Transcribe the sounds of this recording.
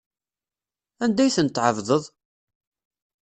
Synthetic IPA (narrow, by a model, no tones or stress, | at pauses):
ænd̪æjθənt̪ːʕəvðˤəðˤ